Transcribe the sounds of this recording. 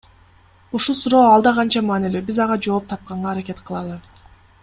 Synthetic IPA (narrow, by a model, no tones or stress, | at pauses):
uʃulˠsuɾoːɑlˠd̪ɑʁɑnt͡ʃɑmaːnilybizɑʁɑd͡ʒo̞ːp̚t̪ʰɑp̚qɑɴʁɑːɾakʲe̞t̪qʰɯlˠɑlˠɯ